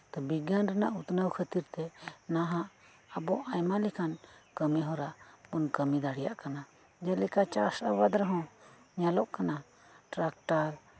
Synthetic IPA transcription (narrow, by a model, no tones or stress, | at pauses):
t̪ɔbiɡanɾɛnaʔut̪nəwkʰət̪iɾt̪ɛnaɦãʔ | əbɔʔajmalikʰankəmɛɦɔɾaʔbɔnkəmid̪aɽ̤ijaʔkana | d͡ʒɛlɛkat͡ʃasawad̪ɾaɦɔ̃ | ɲalɔʔkana | ʈɾak̚ʈaɾ